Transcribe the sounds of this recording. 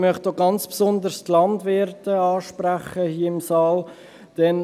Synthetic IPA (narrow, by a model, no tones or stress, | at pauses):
mœχtoɡɑnt͡spsʊnd̪əɾstlɑndʋɪɾtəɑːʃpɾæχəhiːəɪmsɑːl | d̥ɛn